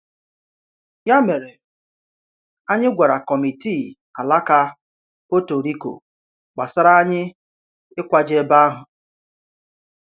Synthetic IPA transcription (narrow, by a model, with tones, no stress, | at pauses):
ja˦me˨ɾe˨ | a˦ɲɪ˦ɡʷa˨ɾa˨kɔ˨mi˨tiː˦˨ | a˨la˦ka˦ | po˦to˨ɾi˦ko̰˨ | k͡pa̰˨sa˦ɾa˦a˦ɲɪ˦ | ɪ˦kʷa˨d͡ʒe˦ba˦a˦ɦʊ˨